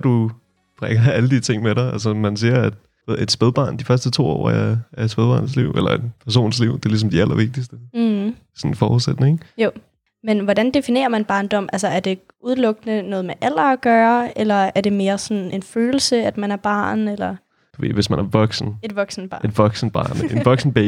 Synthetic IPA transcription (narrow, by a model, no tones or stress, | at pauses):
d̥u | b̥ʁɛɡ̥ɐæləd̥it͡sʰe̝ŋ̰meɾɑɪælsəmænsiɐæd̥ | eð̰ˠe̝d̥sb̥eð̞ˠb̥ɑ̰̈ːnd̥ifɶɐsd̥ət͡sʰo̝̰ːɒ̰ːææed̥sb̥eðˠb̥ɑ̈ːnslḭʊ̰elɐe̝d̥pʰæɐs̬o̝̰ːnsliʊ̰d̥eɐlis̬ɒ̽md̥iælʔɐʋe̝ɡ̥̚d̥isd̥ə | sɒ̽nfɒ̰ːuðˠsed̥ne̝ŋjo | menʋɒdænd̥e̝fine̝̰ːɐmænb̥ɑ̈ːnd̥ɒ̽m̰ʔælsɐæɐd̥e̝ | ʔuðˠlɔ̽ɡ̥ənənɔ̽ːðˠmeʔæl̰ɐːɡ̥ɶːɐelɐæɐd̥e̝me̝ːɐsɒnn̩ʔe̝nføːl̩səæd̥mænæɐb̥ɑ̰̈ːnelɐ | d̥uʋe̝̰ʋesmænæɐʋɒ̽ɡ̥sn̩e̝d̥ʋɒ̽ɡ̥sn̩b̥ɑ̈ʔe̝d̥ʋɒ̽ɡ̥sn̩b̥ɑ̰̈ːnenʋɒ̽ɡ̥sn̩b̥ɛ